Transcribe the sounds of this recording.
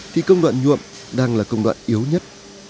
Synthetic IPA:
t̪ʰi˨˩kə˧wŋ͡mɗwa̰ː˧˨nɲṵ˧˨əm | ɗaː˧ŋlaː˨˩kə˧wŋ͡mɗwa̰ː˧˨nʔi˨˦əwɲə˦˥t̚

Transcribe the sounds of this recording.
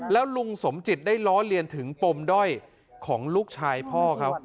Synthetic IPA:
lɛː˦˥wlu˧ŋso˩˦mt͡ɕi˨˩t̪̚daː˥˩jlɔː˦˥li˧ənt̪ʰɯ˩˦ŋpo˧mdɔ˥˩j | kʰɔː˩˦ŋluː˥˩k̚t͡ɕʰaː˧jpʰɔː˥˩kʰa˦˥p̚

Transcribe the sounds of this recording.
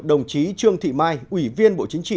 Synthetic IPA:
ɗə˨˩wŋ͡mt͡ɕi˨˦t͡ɕɨ˧əŋt̪ʰḭ˧˨maː˧jʔwi˧˩vi˧ənɓo̰˧˨t͡ɕï˨˦ŋ̟t͡ɕḭ˧˨

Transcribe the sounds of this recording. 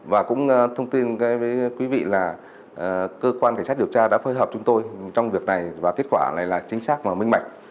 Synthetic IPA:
vaː˨˩kʊ̰˧˥ŋ͡mt̪ʰə˧wŋ͡mt̪i˧nkaː˨˦jvəː˨˦jkwi˨˦vḭ˧˨laː˨˩˨ | kəː˧kwa˧nk̟sa˦˥ɗi˨˩əwt͡ɕaː˧ɗa̰ː˧˥fəː˨˦jɦəː˨˩p̚t͡ɕʊ˨˦ŋ͡mt̪o˧jt͡ɕɔ˧wŋ͡mvi˨˩ək̚na˨˩jvaː˨˩ke˦˥t̚kwaː˧˩la̰ː˧˨jlaː˨˩t͡ɕï˨˦ŋ̟saː˦˥k̚vaː˨˩mï˧ŋ̟ɓa˨˩jk̟̚

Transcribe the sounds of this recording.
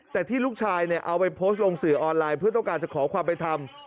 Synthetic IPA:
t̪ɛː˨˩t̪ʰiː˥˩luː˥˩k̚t͡ɕʰaː˧jni˥˩ɐʔa˧wpa˧jpʰoː˦˥st̪̚lo˧ŋsɯː˨˩˦ʔɔː˧nlaː˧jpʰɯ˥˩ɐt̪ɔ˥˩ŋkaː˧nt͡ɕa˨˩kʰɔː˩˦kʰwaː˧mpa˧jt̪ʰa˧m

